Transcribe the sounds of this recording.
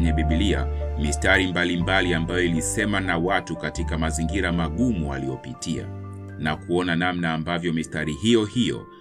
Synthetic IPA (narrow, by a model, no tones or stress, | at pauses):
ɲɛɓiɓiliamistaɾimbalimbaliambajɔilisɛmanawatukatikamaziŋɡiɾamaɠumua̰liɔpitia̰ | nakuɔnanamnaːmbavjɔmistaɾihijɔhijɔ̰